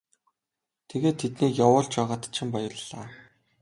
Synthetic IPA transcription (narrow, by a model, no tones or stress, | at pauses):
t̪ʰeɣeːt̪ʰːet̪niːkjawʊːɮt͡ɕpæːʁaːt̪t͡ɕʰɪ̆mpɔjɞ̆rɮaː